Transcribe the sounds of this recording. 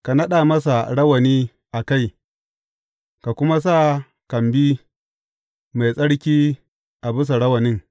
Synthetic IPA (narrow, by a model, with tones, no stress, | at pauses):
ka˨nɐ˦ɗa˨mɐ˦s̬a˨ɽɐ˦wɐ˨niː˦ | ʔa˨ka˦j | ka˨kʷʊ˦ma˦s̬a˦˨ | kɐ˨mbiː˦ | ma˨jsʼɐ˦ɽkʲiː˦ | ʔa˨bɪ˦s̬a˨ɽɐ˦wɐ˨nɪ˦ŋ